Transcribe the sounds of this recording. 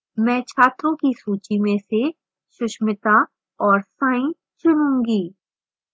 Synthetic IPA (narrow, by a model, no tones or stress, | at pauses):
mɛ̃ːt͡ʃʰaːt̪ʰõkisuːt͡ʃimẽse | ʃʊʃmɪt̪a | ɔːɾsãːĩ | t͡ʃʊnũːŋɡiː